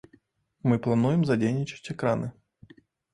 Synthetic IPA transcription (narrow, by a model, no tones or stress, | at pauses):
mɨplˠanujɛmzad͡zʲejnʲit͡ʃɐ̥t͡sʲɛkɾanɨ